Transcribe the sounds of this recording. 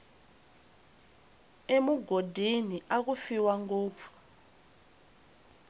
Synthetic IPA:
emuɡʱodʱiniʔak̬ufiwaŋɡoːp̪fu̥

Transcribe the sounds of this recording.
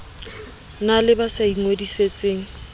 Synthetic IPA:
nalɪbasaiŋwediset͡sʼeːŋ̩

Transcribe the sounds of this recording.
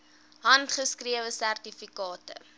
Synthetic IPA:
ɦɐntχəskriəvəsærtifikɑːtə̰

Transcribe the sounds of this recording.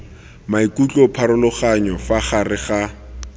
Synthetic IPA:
maikʼut͡ɬʼɔpʰaɾʊlʊχaɲɔfaχarɪχa

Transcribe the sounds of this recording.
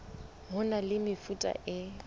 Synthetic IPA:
ɦʊnalɪmɪfutʼa̰ʔɪ

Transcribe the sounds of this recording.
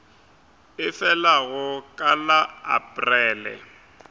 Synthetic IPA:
ɪfɛlaɣʊkʼalaa̰pʼrɛːlɛ̰

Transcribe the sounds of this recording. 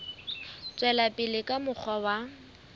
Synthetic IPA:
t͡sʼwɛlapʼɪlɪkʼamʊk͡xʰɔwa

